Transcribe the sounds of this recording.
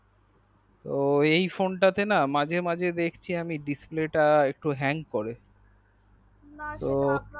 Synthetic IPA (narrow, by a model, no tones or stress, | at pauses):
t̪oejfonʈat̪enamãd͡ʑʱemãd͡ʑʱed̪ekʰt͡ɕʰiamiɖispleʈaek̚ʈuɦɛŋɡkoɾe | t̪o